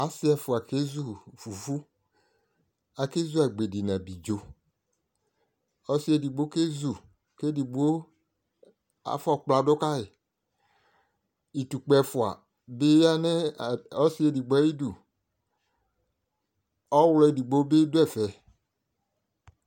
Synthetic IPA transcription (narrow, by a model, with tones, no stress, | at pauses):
a˨si˦ɛ˨fʊ˨a˨ke˦zu˦fu˨fu˦ | a˨ke˦zu˦a˨ɡ͡be˨di˨nã˨bi˨d͡ʒo˨ | ɔ˦si˦e˨di˨ɡ͡bo˦ke˦zu˨ | ke˦di˨ɡ͡bo˦ | a̰˨fɔ˦˨k͡pla˨do˦ka˦e˨ | i˨tu˨k͡pɛ˨fʊ˨a̰˨ | be˦ja˦nɛ˦˨ɔ˦si˦e˨di˨ɡ͡bɔ˨ɛ˦ji˦du˨ | ɔ˦wlɔ˨e˨di˨ɡ͡bo˦be˦do˦ɛ˦˨fɛ˨